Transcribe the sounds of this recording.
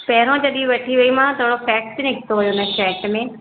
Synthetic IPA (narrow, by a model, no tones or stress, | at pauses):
pɛɦɾõd͡ʑɐɗĩʋɐʈʰiʋɐimãt̪ʰoːɽofɛːk̚ʈbinɪkʰɪ̥t̪oɦʊjoɪnəʃɛːʈmẽː